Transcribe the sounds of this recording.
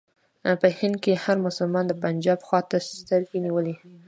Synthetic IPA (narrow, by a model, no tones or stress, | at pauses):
pəhɪnd̪̚kehaɾmʊsʊlmɑnd̪əpand͡ʒɑbxwɑt̪asst̪əɾɡeniwəli